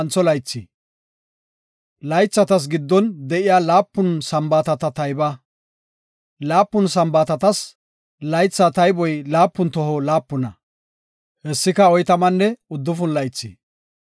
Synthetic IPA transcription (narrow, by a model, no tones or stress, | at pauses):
nt͡sːɔlɐjt͡sːḭ | lɐjt͡sːɐt̪ɐs̬ɡɪd̪ːɔnd̪ɛʔɪjaːlaːpːʊnsɐmbaːt̪ɐt̪ɐt̪ɐjbɐ | laːpːʊnsɐmbaːt̪ɐt̪ɐs | lɐjt͡sːat̪ɐjbɔjlaːpːʊnt̪ɔɦɔlaːpːʊnɐ | hɛsːɪkɐɔjt̪ɐmɐnːɛʊd̪ːʊfʊnlɐjt͡sːḭː